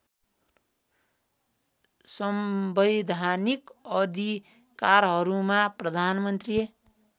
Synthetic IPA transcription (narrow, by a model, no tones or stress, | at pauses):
sʌmbʌjd̪ʱanikʌd̪ʱi | kaɾɦʌɾumaprʌd̪ʱanmʌnt̪ri